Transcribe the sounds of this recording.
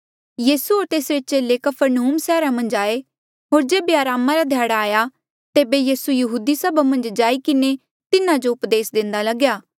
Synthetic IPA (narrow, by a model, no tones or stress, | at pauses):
jiːsuɦoːɾt̪eːsɾet͡ʃeːlekɐpʰəɾnuːmsɛːɾamɐ̃nd͡ʒaːe | ɦoːɾd͡ʒeːbeaːɾaːmãɾad̪ʱjaːɽaːja | t̪eːbejiːsujɐɦuːd̪isɐbamɐ̃nd͡ʒd͡ʒaːikɪne | t̪ɪnãd͡ʒoʊpd̪eːsd̪ɪ̃nd̪alɐɡjaː